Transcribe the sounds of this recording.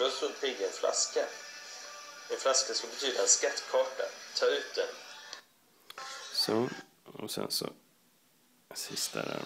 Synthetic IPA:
ɾɔsət̪pɪɡːaɾɛnfla̰ska | ɛnflaskasɔbɛt̪ʰyːd̪aanskat̪ːkʰɑːʈat̪ʰɑːʉ̟ːt̪̚d̪ɛn | sɔ | ɔsɛnsɔ | sɪst̪ʰad̪ɛ

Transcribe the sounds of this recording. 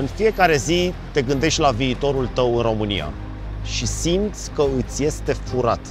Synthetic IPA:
ɨnfije̞kaɾe̞zit̪e̞ɡɨnd̪e̞ʃt̪ʲlaviːt̪o̞ɾult̪əwɨnro̞mɨnḭja̰ | ʃisimt̪sʲkəɨt̪sʲje̞st̪e̞fuɾat̪

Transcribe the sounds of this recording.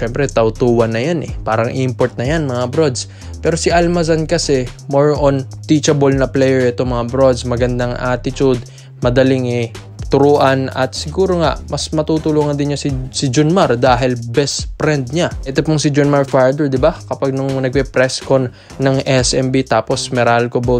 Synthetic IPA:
ʃɛmpɾɛt̪ɐwt̪uːwɐnːɐjanʔɛ̰paːɾɐŋʔimpoɹt̪̚nɐjanmɐŋabɾod̪s | pɛːɾo̞sɪʔɐlmɐzɐnkɐsɛ | moɹont̪it͡ʃɐbolnɐplɛjɛɹʔɛt̪o̞mɐŋabɾo̞d̪smɐɡɐnd̪aŋʔaːt̪ɪt͡ʃud̪̚ | mɐd̪ɐlɪŋɛ | t̪ʊɾoːʔɐnɐ̰t̪sɪɡuːɾoŋa̰ʔmɐsmɐt̪uːt̪ʊluːŋɐnd̪ɪnɲasɪsɪd͡ʒʊnmaɾd̪aːɦɪlbɛspɾɛnd̪̚ɲaʔɛt̪opʊŋsɪd͡ʒonmaɹfaɹd̪ɛɹd̪ɪbakɐpaɡ̚nʊŋnɐɡ̚pɛpɾɛskon | nɐŋʔɛsɛmbit̪aːpo̞smɛɾalkobo

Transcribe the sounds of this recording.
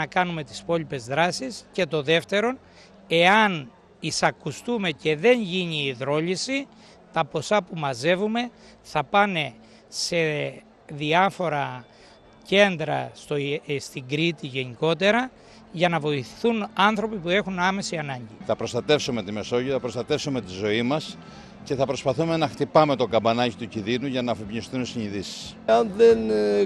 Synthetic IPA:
ɐkɐnume̞t̪i̥spo̞lipe̞zðɾɐsisce̞t̪o̞ðe̞ft̪e̞ɾo̞n | e̞ɐn | isɐkust̪ume̞ce̞ðe̞ɲʝiɲiːðɾo̞ʎisi | t̪ɐpo̞sɐpumɐze̞vume̞ | θɐpɐne̞ | se̞ | ðiɐfo̞ɾɐ | ce̞nd̪ɾɐ̰st̪ost̪iŋɡɾit̪iʝe̞niko̞t̪̬e̞ɾɐ | ʝɐnɐvo̞iθiθunɐnθɾo̞pipue̞xunɐme̞siɐnɐɲɟiθɐpɾo̞st̪ɐt̪e̞fsume̞t̪ime̞so̞ʝiθɐpɾo̞st̪ɐt̪e̞fsume̞t̪izo̞imɐs | ce̞θɐpɾo̞spɐθume̞nɐxt̪ipɐme̞t̪o̞ɡɐmbɐnɐcit̪ucinðinuʝɐnɐːfipɲist̪unsiɲiðisi̥sɐnðen

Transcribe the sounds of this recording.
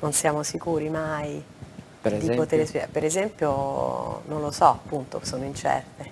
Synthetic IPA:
nonsjaːmosikuːɾimaj̪ | ipot̪eɾespḭpeɾezɛmpjo | nonlosɔapːunt̪o̰soːnoint͡ʃɛ̰rt̪e

